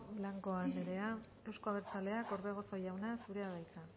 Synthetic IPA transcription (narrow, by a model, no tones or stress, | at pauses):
blaŋko̞aneɾe̞a | e̞wsko̞aβe̞ɾt͡sale̞akoɾβeɣ̞o̞so̞jawnasuɾe̞aðajt͡sa